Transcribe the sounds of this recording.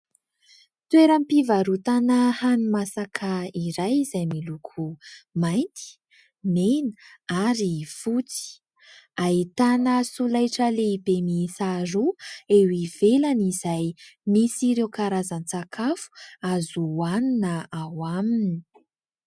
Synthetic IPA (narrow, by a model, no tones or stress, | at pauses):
t̪weɾəmpivaɾut̪anəhanimasakʰaiɾajizajmilukʰumajnt̪i̥ | menəaɾifut͡si̥ | ait̪anəsulajʈ͡ʂəleibemisaɾuewiv̥elanizajmisiɾekaɾazant͡sakʰafu̥azuaninəawamini̥